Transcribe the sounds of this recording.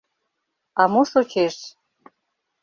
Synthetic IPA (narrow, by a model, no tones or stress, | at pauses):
ɑmoʃot͡ɕʰeʃ